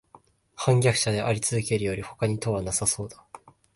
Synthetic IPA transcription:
hãŋɡʲakɯ̟̥ɕad̪e̞ʔaɾʲit͡sɨzɨke̞ɾɯjo̞ɾʲiho̞̥kaɲ̟it̪o̞βanasaso̞ːd̪ḁ

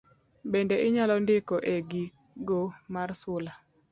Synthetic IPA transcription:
bendeʔɪɲalɔndɪkɔʔeɡi | ɡomarsʊla

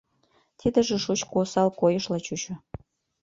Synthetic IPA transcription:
t̪ʰid̪ə̆ʒĕʃut͡ɕkosɑlkojɤʃlɑt͡ɕut͡ɕŏ

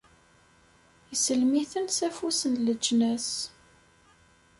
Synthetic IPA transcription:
jəsəlmiθənsæfusənləd͡ʒːnæs

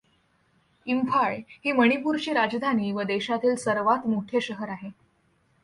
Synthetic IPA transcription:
impʰaɭhiːməɽ̃ipuːɾt͡ɕiːɾad͡zd̪ʱaniːʋəd̪eɕat̪iːlsəɾʋat̪moʈʰeɕəɦəɾaɦe

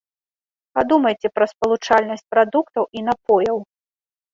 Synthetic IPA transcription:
pad̪umɐjt͡sʲɛpɾɐspɐlˠut͡ʂalʲnɐsʲt͡sʲpɾad̪ukt̪ɐwʔinapɔjɐw

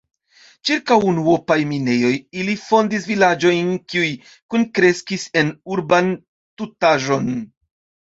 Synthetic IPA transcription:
t͡ʃiɾkawunuopajmine̞jo̞jilifo̞ndisvilad͡ʒo̞jnkiuj | kunkɾe̞skise̞nuɾban | tutaʒo̞n

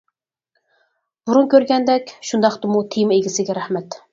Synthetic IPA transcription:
buɾunkʲʰøɾɡʲɛnd̪ɛkʲʃund̪ɑχt̪ɨmut̪ʰejmeɡʲɪsɪɡʲɛɾæhmɛt̪

